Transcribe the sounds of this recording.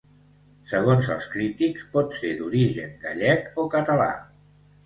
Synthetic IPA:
səɣ̞onzə̰lˠskɾit̪ikspɔt̪sed̪uɾiʒə̰ŋɡaʎɛkokət̪əla̰

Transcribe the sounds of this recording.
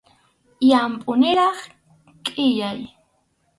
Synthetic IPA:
jampʼʊnɪɾɑχ | kʼɪjaj

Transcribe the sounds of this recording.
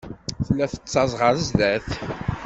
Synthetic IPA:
θəlːæθə̥t͡sːɑzˤʁəɾəzðæθ

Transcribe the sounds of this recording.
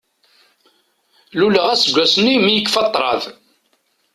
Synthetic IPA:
luləʁæsɡʷːæsnːimijəkːfɑt̪ˤːɾˤɑ̰ð

